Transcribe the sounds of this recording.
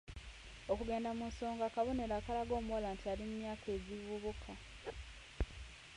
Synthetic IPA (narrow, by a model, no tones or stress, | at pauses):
o̞kuɡe̞ːndamunso̞ːŋɡaːkaβo̞ne̞ɾaːkalaɡo̞ːmuolantialimumjaːke̞ːɟivvuβukʰa